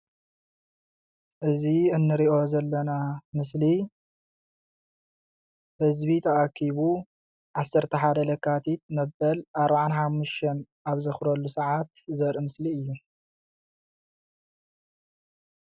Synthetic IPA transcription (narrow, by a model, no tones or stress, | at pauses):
ʔɨziɨnːɨɾiʔo̞zɐlːɐnamɨsli | hɨzβit̪ʰɐʔakʰːiβu | ʕasːɐɾt̪ʰɐħad̪ɐlɐkʰːat̪ʰit̪̚mɐbɐlʔaɾbaʕanħamːuʃt̪ʰɐn | aβzɐxɾɐlːusɐʕat̪zɐɾɨmɨsliɨjːu